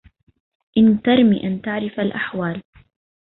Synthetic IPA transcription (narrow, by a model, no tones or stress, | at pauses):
ʔɪnt̪ɑɾˤmḭːʔant̪aʕɾɪfalʔaħwaːl